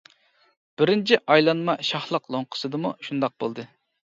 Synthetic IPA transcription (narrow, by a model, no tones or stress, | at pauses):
b̥ɪɾɪnt͡ʃʰiʔɑjlˠɑnmɑʃɑhlˠəqlˠoŋqʰə̥sɨd̪ɨmuʃund̪ɑq̚bo̰lˠd̪ɨ